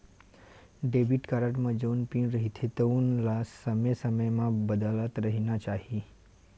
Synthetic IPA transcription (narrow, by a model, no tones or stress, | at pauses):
ɖebiʈkaɾəʈmãd͡ʒonpinɾəɦit̪ʰet̪əunlasəməsəməjmãbəd̪alət̪ɾəɦinat͡ʃaɦi